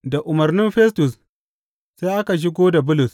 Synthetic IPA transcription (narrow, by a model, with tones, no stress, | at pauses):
da˨ʔʊ˨mɐ˨rnɪ˦mɸɛ˦stʊ˨s | se˦ʔa˦ka˨ʃ̬ɪ˦ɡʷoː˦da˨bʊ˦lʊ˨s